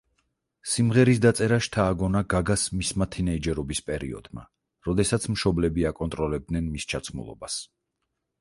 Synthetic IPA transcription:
simʁɛɾis̬d̪at̪sʼɛɾaʃt̪ʰaːɡɔnaɡaɡasmismat̪ʰinɛid͡ʒɛɾɔbispʼɛɾḭɔ̰d̪ma̰ | ɾɔd̪ɛsat̪sʰmʃɔblɛbiakʼɔnt̪ʼɾɔlɛb̚d̪nɛnmist͡ʃʰat̪sʰmṵlˠɔ̰bas

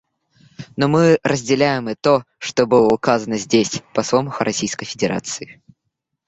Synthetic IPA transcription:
nomɨrʔəzʲdʲɪlʲæjɪmɨt̪o | ʂt̪obɨlˠəʊkazənəzʲdʲesʲpɐsvoməxʊɾʔɐsʲijskəjfʲɪdʲɪɾʔa̰t̪sɨɪ

